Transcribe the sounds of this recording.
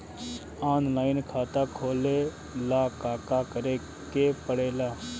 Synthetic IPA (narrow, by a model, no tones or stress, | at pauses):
aːnlaːɪnkʰaːt̪aːkʰoːleː | laːkaːkaːkəɾeː | keːpəɽeːlaː